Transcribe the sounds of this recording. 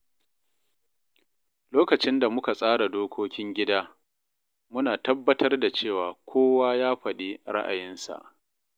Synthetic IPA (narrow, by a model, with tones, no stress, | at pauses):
loː˦kɐ˨t͡ʃɪ˦nda˨mʊ˦ka˨sʼaː˦ɽa˨doː˦kʷʰoː˦kʲɪ˦ŋɡʲɪ˦daː˦ | mʊ˦naː˨tɐ˦bːɐ˦tʰɐ˦rda˨t͡ʃeː˦˨waː˨kʷʰoː˦waː˦jaː˦ɸɐ˨ɗe˦ɽa̰˦ʔa̰˨jɪ˦nsa̰˨ʔ